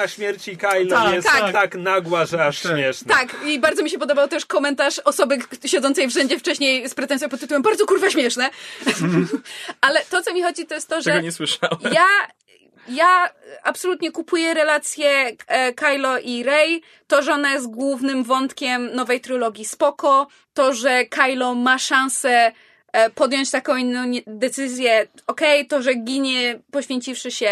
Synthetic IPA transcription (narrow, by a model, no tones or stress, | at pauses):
aɕmʲjɛɾt͡ɕikajljɛst̪akt̪aknaɡwaʐɛaʂɕmʲɛʂnt̪akibaɾd̪zɔmʲiɕɛpɔd̪ɔbawt̪ɛʂkɔmɛnt̪aʂɔsɔbɘɕɛd̪ɔnt̪sɛjfʂɛɲd͡ʑɛft͡ʂɛɕɲejspɾɛt̪ɛnsjɔ̃pɔt̪ːɨt̪uwɛmbaɾd̪zɔkuɾvaɕmʲjɛʂnɛ | ʔalɛt̪ɔt̪sɔmʲixɔd͡ʑit̪ɔjɛst̪t̪ːɔʐɛɛɡɔɲɛswɘʂawja | jaapsɔlut̪ɲɛkupujɛɾɛlat̪sʲjɛkajlɔʔiɾɛj | t̪ɔʐɛɔnajɛst̪̚ɡwuvnɘmvɔnt̪kʲɛmnɔvɛjt̪ɾɨlɔɡʲjispɔkɔ | t̪ɔʐɛkʰajlɔmaʂãñsɛ | pɔd̪jɔɲt͡ɕt̪akɔ̃w̃inːɔ̃w̃d̪ɛt̪sɘzʲjɛ | ɔkɛjt̪ɔʐɛɡʲiɲɛpɔɕfʲjeɲt͡ɕifʂɘɕɛ